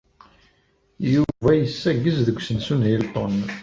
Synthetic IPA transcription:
juvæjəsːæɡːəzðəɡʷːsənsunɦilt̪ˤon

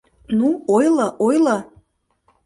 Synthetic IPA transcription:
nuojləʔojlɤ

